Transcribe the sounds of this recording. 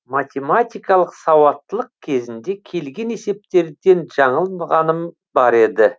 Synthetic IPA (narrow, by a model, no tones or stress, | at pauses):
mat̪ʲe̞mat̪ʲijkɑlˠəqsɑwɑt̪ːəlˠəq̚kʲʰe̞zɪnd̪e̞kʲʰe̞lɡʲe̞ne̞se̞p̚t̪e̞ɾd̪e̞nʒɑɴəlˠmɑʁɑnəm | bɑɾe̞d̪ɪ